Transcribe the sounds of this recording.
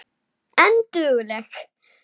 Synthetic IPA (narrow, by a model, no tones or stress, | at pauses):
and̥uːləx